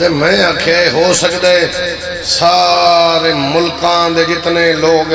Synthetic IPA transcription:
emɛ̃əkʰeaeɦoːsəkd̪aːe | saːɾeːmʊlkãːd̪eːd͡ʒɪt̪neloːɡ

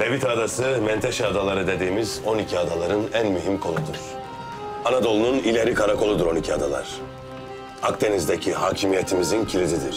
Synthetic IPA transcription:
lebit̪ʰaːd̪asɯmɛnt̪ʰeʃɛad̪alˠaɾɯd̪e̞d̪iːmizo̞nicʰiad̪alˠaɾɯnænmyɦimkʰo̞nˠud̪uɾ̥ | anad̪o̞lˠununilʲeɾikʰaɾakʰo̞lˠud̪uɾo̞nicʰiad̪alˠa̰ɾ̥ | akd̪e̞nizd̪ecʰihaːcʰimijet̪ʰimizincʰilʲizid̪iɾ̥

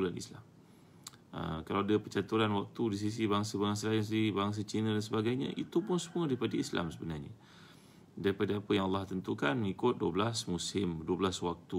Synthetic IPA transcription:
ulanḭslam | ə̰kalawadapət͡ʃat̪uɾanwak̚t̪udis̬is̬ibaŋsabaŋs̬alans̬ibaŋs̬at͡ʃinãdans̬əbaɡajɲã̰ʔḭt̪upʊnsəmũadaɾipadaisla̰msəbənarɲa | daɾipadaːpəjaŋalːɑht̪ənt̪ukanŋikʊt̪̚duəblasmusɪmduəbəlaswak̚t̪u

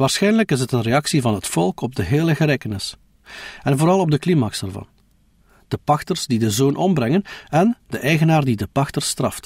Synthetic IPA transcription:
ʋaːrsxɛjnələkɪs̬ɦətənreɑksivɑnɦətfɔlˠkɔb̚dəɦeːləɣəleːkənɪs | ɛnvoːɾɑlˠɔb̚dəklimaːksɛrvɑ̰n | d̥əpɑxtərzdidəzoːnʔɔmbrɛŋənɛnd̥əʔɛjɣənaːrdidəpɑxtərst̪rɑ̰ft

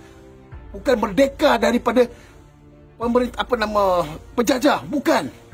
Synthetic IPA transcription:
bukanbərdekadaɾipada | pəməɾɪnt̪aapanãmãpəd͡ʒad͡ʒabukan

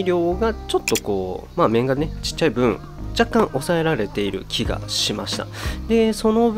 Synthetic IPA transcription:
ɾʲjo̞ːɡat͡ɕo̞t̪ːo̞ko̞̰ː | maːmẽ̞ŋɡanet͡ɕi̥t͡ɕːaibɯ̟̃ɴ | d͡ʑakːãɰʔo̞sae̞ɾaɾe̞t̪e̞iɾɯ̟̰kʲiɡa̰ɕima̰ɕi̥t̪a̰d̪e̞so̞no̞b

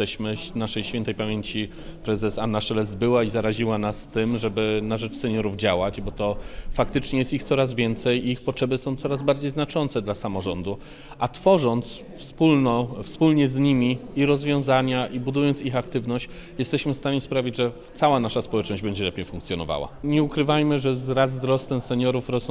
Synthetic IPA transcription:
ɛɕmɘnaʂɛjɕfʲɛnt̪ɛjpamʲjeɲt͡ɕi | pɾɛzɛsanːaʂɛlɛzd̪̚bɘwaizaɾaʑiwanast̪ɘmʐɛbɘnaʐɛt͡ʂsɛɲɔɾuvd͡ʑawad͡ʑbɔt̪ɔfakt̪ɘt͡ʂɲɛjɛst̪ixt̪sɔɾazvʲjɛnt̪sɛjiixpɔtʂɛbɘsɔ̃w̃t̪sɔɾazbaɾd͡ʑejznat͡ʂɔnt̪sɛd̪lasamɔʐɔnd̪u | ʔat̪fɔʐɔnt̪s | fspulnɔfspulɲɛzɲimʲiiɾɔzvʲjɔ̃w̃zaɲaʔibud̪ujɔnt̪sixakt̪ɘvnɔɕt͡ɕ | jɛst̪ɛɕmɘfst̪aɲɛspɾavʲid͡ʑʐɛ | t̪sawanaʂaspɔwɛt͡ʂnɔʑd͡ʑbɛɲd͡ʑɛlɛpʲjejfũŋkt̪sjɔnɔ̰va̰wa̰ɲɛukɾɘvajmɘʐɛzɾazːɾɔst̪ɛmsɛɲɔɾufɾɔs

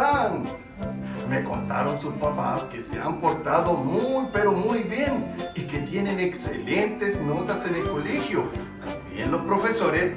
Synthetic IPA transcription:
an | meko̞̰nt̪a̰ɾo̞nsuspapa̰ske̞se̞̰a̰mpo̞ɾt̪aðo̞mujpeɾo̞mujβje̞nike̞t̪je̞ne̞ne̞kse̞̰lent̪e̞zno̞t̪ase̞ne̞lko̞lexjo̞ | t̪ambje̞̰nlo̞spɾo̞fe̞so̞ɾes

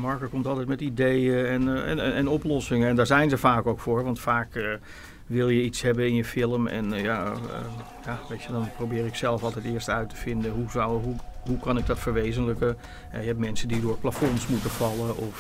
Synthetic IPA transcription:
mɔɹkəkɔmtɑlˠtɛjtmɛtidejəɛnɛ̰ɛnɔplɔsɪŋəɛndaːɹzɛjnzəfaːkowkfʊːɹʋɑntfaːk | ʋɪlˠjəitshɛbənɪnjəfɪlˠəmɛ̰nja̰ | jaʋetjədɔnprobɪːɾɪksɛlˠəfɑlˠtɛjtɪərstœɥtə̥fɪndəɦuzwɦuɦukʰɑnɪɡ̚dɔtfəɹʋeːzənləkə | ɛ̰jəɛpmɛnsədidʊːrplafɔnsmutəfɑlˠəʔɔf

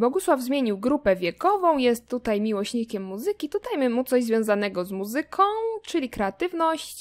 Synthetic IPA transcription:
bɔɡuswavzmʲjeɲiwɡɾupɛvʲjɛkɔvɔ̃w̃jɛst̪ːut̪ajmʲiwɔɕɲikʲɛmːuzɘkʲit̪ut̪ajmɘmut̪sɔʑzvʲjɔ̃w̃zanɛɡɔzmuzɘkʰɔ̃w̃t͡ʂɘlʲikɾɛat̪ɘvnɔɕt͡ɕ

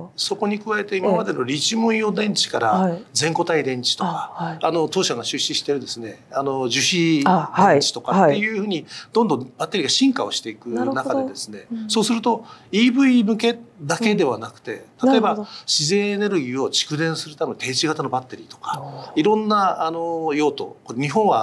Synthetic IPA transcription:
so̞ko̞ɲ̟ikɯ̟βae̞t̪e̞imamad̪e̞no̞ɾʲit͡ɕimɯ̃j̃jo̞d̪ẽ̞ɲt͡ɕi̥kaɾad͡zẽ̞ŋko̞t̪aid̪ẽ̞ɲ̟t͡ɕi̥t̪okaano̞t̪o̞ːɕaŋaɕɨɕːiɕi̥t̪e̞ɾɯ̟d̪e̞sɨne̞ano̞ʑɨɕid̪et͡ɕi̥t̪o̞kat̪ːe̞jɯ̟ːɸɯ̟ːɲ̟id̪̥ond̪õbat̪ːe̞ɾʲiɡaɕĩŋkao̞ɕi̥t̪e̞ikɯ̟nakaed̪e̞sɨne̞so̞ːsɨɾɯ̟t̪o̞iːbɯ̟imɯ̟ke̞d̪ake̞d̪e̞β̞anakɯ̟̥t̪e̞̰t̪at̪o̞e̞baɕize̞ːne̞ɾɯ̟ɡʲiːo̞t͡ɕi̥kɯ̟d̪ẽ̞ɰ̃sɨɾɯ̟t̪ament̪ʰe̞ːt͡ɕiɡat̪ano̞bat̪ːe̞ɾʲḭt̪o̞̥kḁiɾõ̞nːaano̞jo̞ːt̪o̞̰koɲ̟iɦõ̞ɰ̃βa

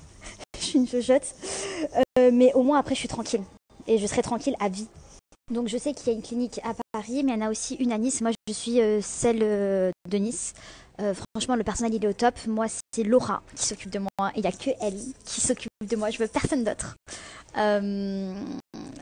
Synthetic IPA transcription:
ʃiːnfoʒɔt̪ | ømɛʔomwɛ̃apχɛʒəsɥit̪χɑ̃kʲʰil | eʒəsəʁɛt̪χɑ̃kʲilavi | d̪ɔ̃kʒəsɛkiljaynklinikapaʁimɛɛnaosiʔynanismwaʒəsɥiøsɛlød̪ənisøfχɑ̃ɑ̃ʃmɑ̃ləpɛʁsɔnɛlilɛot̪ɔpmwasɛlɔʁa̰kʲʰi̥sɔkʲyp̚d̪əmwaʔeiljakʰəʔɛlkʲʰisɔkʲypp̚d̪əmwaʒəvøpɛʁsɔnd̪ot̪χ | øm

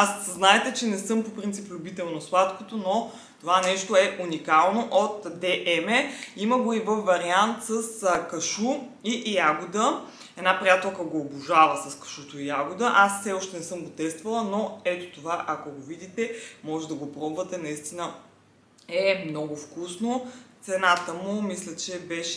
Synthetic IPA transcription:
asznaɛt̪ɛt͡ʃɛnɛsɤmpopɾint̪siplʲʊbit̪ɛlˠnoslˠat̪kot̪ono | t̪ovanɛʃt̪oɛʔunikalˠnoʔot̪d̪ɛʔɛmɛiməɡoivəfːɐɾiant̪səskɐʃu | ijaɡʊd̪ə | ɛd̪napɾiat̪ɛlˠkəɡoːbuʒavəsɐskɐ̥ʃut̪oijaɡʊd̪əʔasfsɛɔʃt̪ɛnɛsɤmɡot̪ɛst̪vɐlˠənoɛt̪ot̪ovaʔɐkoɡovid̪it̪ɛmɔʒɛd̪ɐɡopɾɔbuvət̪ɛnɐist̪inə | ɛmnɔɡʊfkusnot̪sɛnat̪əmʊmislʲət͡ʃɛbɛʃ

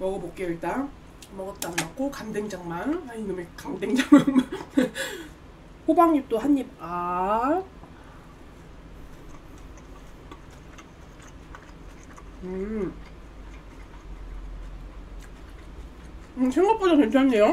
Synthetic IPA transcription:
mʌɡʌmok͈eɯɭt͈a | mʌɡʌt̚t͈ammakʰokamdeŋd͡ʑaŋmanainːɯmekamdeŋd͡ʑaŋmaŋma | ɸobaŋɲip̚t͈ohaɲːiba | ɯ | ɯsʰeŋɡop͈odakent͡ɕʰoɦanːejo

